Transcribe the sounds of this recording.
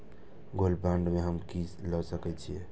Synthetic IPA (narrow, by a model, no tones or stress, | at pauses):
ɡolbaɳɖmeɦəmkislɔsəkɛt͡ʃʰije